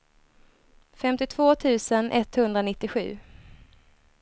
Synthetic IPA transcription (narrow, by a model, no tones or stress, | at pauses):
fɛmt̪ɪt̪ʰv̥oːt̪ʰʉ̟ːsənʔɛt̪hɵnd̪ɾanɪt̪ːɪɧʉ̟̰ː